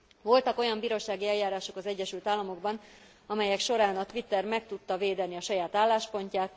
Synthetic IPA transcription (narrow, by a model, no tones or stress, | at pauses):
vo̞lt̪ɒko̞jɒmbiːɾoːʃaːɡiɛlːaːɾaːʃo̞kɒzɛɟːɛʃylt̪aːlːɒmo̞ɡbɒn | ɒmɛjɛkʃo̞ɾaːnɒt̪ʋit̪ːɛrmɛkt̪ut̪ːɒveːd̪ɛniɒʃɒjaːt̪aːlːaːʃpo̞ɲcaːt̪